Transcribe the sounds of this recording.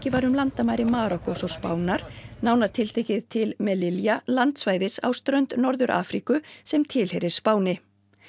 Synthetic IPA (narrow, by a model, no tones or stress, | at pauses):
cɪvaɾʏmlant̪amaːjɾɪmaːɾɔkɔsɔspa̰ːwnaɾ̥naːwnaɾ̥t̪ʰɪlt̪ʰeːhcɪðt̪ʰɪlmɛlɪljalant̪svaːjðɪsa̰wst̪ɾœɥnt̪nɔɾðʏɾʔa̰ːfɾikʏsɛmt̪ʰɪlhɛjɾɪɾ̥spaːwnɪ